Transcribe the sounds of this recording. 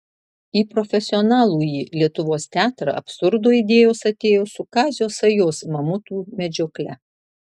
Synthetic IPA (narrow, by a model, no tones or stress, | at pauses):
iːpɾɔfʲɛsʲɪɔnɑːlˠuːjilʲiɛt̪ʊʋoːst̪ʲæːt̪ɾɐ̰ɐ̰psʊɾd̪oːid̪ʲeːjoːsɐt̪ʲeːjoːsʊkɑːzʲɪjoːsɐjoːsmɐmʊt̪uːmʲɛd͡ʒʲoːklʲɛ